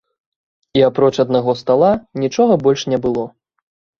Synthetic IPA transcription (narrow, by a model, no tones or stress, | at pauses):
iapɾɔt͡ʂɐd̪naɣɔst̪alˠanʲit͡ʂɔɣɐbɔlʲʂnʲɛbɨlˠɔ